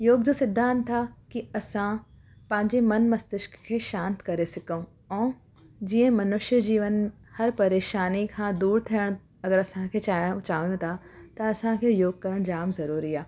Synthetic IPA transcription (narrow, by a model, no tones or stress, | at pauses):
joːɡd͡ʑosɪd̪ʱːaən̆t̪ʰakiɐsã | pɐ̃ɦɪ̃ɲd͡ʑemɐnmɐst̪ɪʃkkʰːeːʃãːnt̪kɐɾesɪkəũ | ɛ̃ː | d͡ʑiːə̃ɦmɐnʊʃjəd͡ʑiːʋən | hɐɾpɐɾeːʃaːnikʰãːd̪uːɾt̪ʰijəɽ̃ | ɐɡəɾɐsãkʰeːt͡ɕaːə̃t͡ɕãːũt̪ʰat̪ɐɐsãkʰeːjoːɡ̚kɐɾəɽ̃d͡ʑaːmzɐɾuːɾiaː